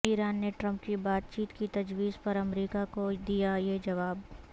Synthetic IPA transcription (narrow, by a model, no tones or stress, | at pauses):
iːɾaːnːeʈɾɐ̃mp̚kibaːt̪̚t͡ʃiːt̪kit̪ɐd͡ʒʋiːzpɐɾɐmɾiːkakod̪ijajed͡ʒɐʋaːb